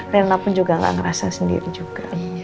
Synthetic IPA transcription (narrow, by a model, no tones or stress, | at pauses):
karnapʊnd͡ʒuɡaŋɡa̰ʔŋəɾasasəndḭɾid͡ʒuɡa